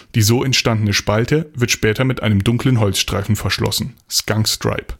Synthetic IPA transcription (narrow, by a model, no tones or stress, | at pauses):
d̥iːzoːɛntʃtandən̩əʃpaltʰəvɪɐtʃpɛːtʰɐmɪtʔa̰ɪnəmdʊŋklənɦɔlsʃtʁ̥aɪfn̩fɛɐʃlɔ̰sn̩skaŋstʁ̥a̰ɪp